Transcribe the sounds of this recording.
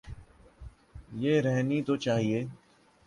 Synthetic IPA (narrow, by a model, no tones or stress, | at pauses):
jeːɾɛɦnit̪ot͡ʃaːɦieː